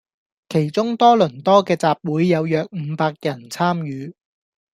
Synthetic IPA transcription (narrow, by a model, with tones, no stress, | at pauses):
kʰe˨˩jt͡sʊ˥ŋt̪ɔː˥lɵ˨˩nt̪ɔː˥kɛː˧t͡saː˨p̚wuː˨˥jːɐ˨˧wjœː˨˧k̚m̩ː˨˧˦paː˧k̚jɐ˨˩nt͡sʰaː˥mjyː˨˧